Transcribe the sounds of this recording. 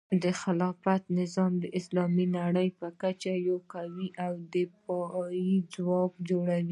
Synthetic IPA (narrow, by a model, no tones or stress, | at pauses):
d̪əxɪlɑfat̪nɪzɑmd̪əʔɪslɑminaɽəjpəkat͡ʃajokawiʔawd̪əpɑjid͡zwɑkd͡ʒoɽawi